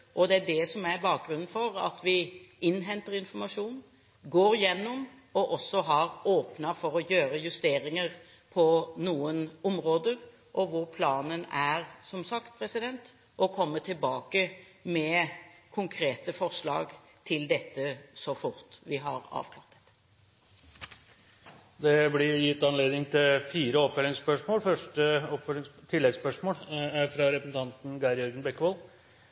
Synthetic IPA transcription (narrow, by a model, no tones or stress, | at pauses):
ʔɔd̪ɛæɖɛsɔmæbɑːk̚ɡɾʉnn̩fɔɾɑ̰t̪ʰʋɪʔɪnːɦɛnt̪əɾɪnfɔɾmɑʂuːn | ɡoːɾjɛnːɔm | ɔʔɔsːɔɦɑɾoːpnɑfɔɾɔjøːɾəjʉst̪eːɾɪŋəɾ | pʰɔnuːənʊmɾoːd̪əɾ | ʔɔʋʊɾpʰlɑːnənæɾsɔmsɑkt̪̚pʰɾɛsɪd̪ɛnt̪ | ʔɔkʰɔmːət̪ʰɪlbɑːkə | mɛkʰʊŋkʰɾeːt̪əfɔʁʂlɑ̰ːɡ | t̪ʰɪld̪ɛt̪ːəsɔfʊɾt̪ʋɪɦɑɾɑ̰ːʋkʰlɑ̰ːʁɾt̪ɛ̥t̪ːə̥ | d̪ɛblɪjɪt̪ːɑnleːd̪nɪŋt̪ʰɪlfiːɾəɔpfœlɪŋspœʂmoːlfœʂʈəɔpfœlɪŋt̪ʰɪlːɛɡspœʂmoːlfɾɑɾɛpəsn̩t̪ʰɑnt̪n̩ɡɑɪɾjœɾɡənbɛkːʋɔl